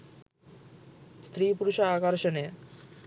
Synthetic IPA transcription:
st̪ɾipuɾuʃaakaɾʃone

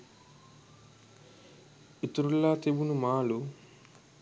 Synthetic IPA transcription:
it̪uɾulːaːt̪ebunumaːlu

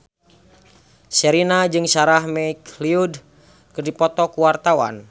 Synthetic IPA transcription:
sɛɾinad͡ʒɨŋsaɾahmɛikliud | kɨrdipɔt̪ɔkuwart̪awa̰n

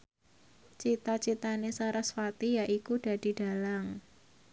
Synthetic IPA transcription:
t͡ʃit̪at͡ʃit̪anesaɾaswat̪ijaʔikuɖ̥a̤d̥i̤ɖ̥a̤laŋ

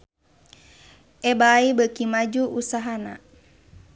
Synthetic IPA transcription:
ʔɛbaibəkimad͡ʒuʔusaɦana̰

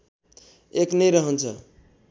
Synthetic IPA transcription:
eknəjɾʌɦənt͡sʰʌ

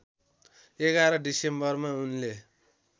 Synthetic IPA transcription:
eɡaɾʌɖisembʌrmaunle

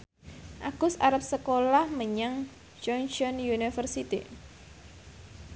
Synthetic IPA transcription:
ʔaɡ̥ʊsaɾəp̚səkolahməɲaŋ | d͡ʒɔnʃɔnjunifərsit̪ḭ

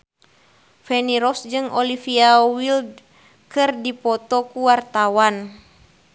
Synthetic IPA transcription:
fɛniɾɔsd͡ʒɨŋɔlifiawild̚ | kɨrdipɔt̪ɔkuwart̪awan

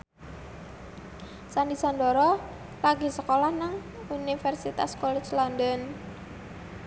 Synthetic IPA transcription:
sandisandɔɾɔ | laɡi̤səkolahnaŋ | unifɛrsit̪a̰skɔlɛ̥d͡ʒlɔndɔn

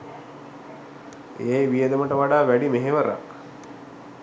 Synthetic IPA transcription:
ḛjʋijəd̪əməʈəʋaɖaːʋæɖimeɦeʋəɾa̰

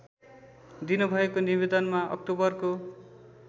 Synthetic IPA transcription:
d̪inubʱʌekonibed̪ʌnmaʌ̰k̚ʈobʌrko

